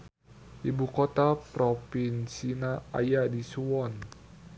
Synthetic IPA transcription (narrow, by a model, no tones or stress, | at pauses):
ʔibukot̪apɾopinsinaa̰jadisuɔn